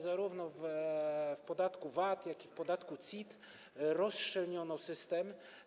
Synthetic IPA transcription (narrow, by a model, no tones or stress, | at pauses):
zaɾuvnɔv | fpɔd̪at̪kuvat̪jakʲifpɔd̪at̪kut̪sʲit̪ | ɾɔsʂɛlɲɔnɔsɘst̪ɛm